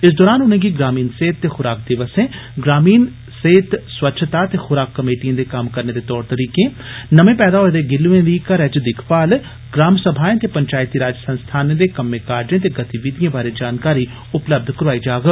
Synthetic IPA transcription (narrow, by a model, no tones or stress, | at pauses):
ɪsd̪ɔːɾaːnʊnẽːɡiɡɾaːmiːnseːt̪ːeːxʊɾaːk̚d̪ɪʋəsẽːɡɾaːmiːn | seːt̪swətːʃʰət̪aːt̪eːxʊɾaːkːəmeːʈijə̃ːd̪eːkəmkəɾneːd̪eːt̪ɔːɾt̪əɾiːkẽː | nəmẽːpɛːd̪aːɦoːɾed̪eːɡɪlːuẽd̪iːkəɾɛːd͡ʒd̪ɪkʰpaːl | ɡɾaːmsəbʱaːẽːt̪eːpəɲt͡ʃaːjt̪iːɾaːd͡ʒəsə̃nst̪ʰaːnẽːd̪eːkəmːẽːkaːɾd͡ʒẽːt̪̬eːɡət̪iʋɪd̪ijãːbaːɾeːd͡ʒaːnkaːɾiː | ʊpləb̚d̪ʱkəɾʊʋaːid͡ʒaːɡə